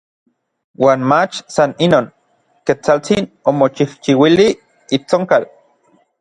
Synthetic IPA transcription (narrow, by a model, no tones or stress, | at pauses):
waːnmat͡ʃsaninoːn | ket͡salt͡sinomot͡ʃiht͡ʃiwili | it͡soŋkal